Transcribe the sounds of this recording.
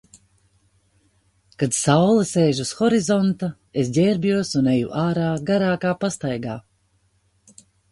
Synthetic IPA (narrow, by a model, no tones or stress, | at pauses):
kad̪sawlˠiseːʒusxɔɾizɔnt̪a | esɟʲɛɾbʲjuɔsunejṵʔaːɾaːɡaɾaːkaːpast̪ajɡaː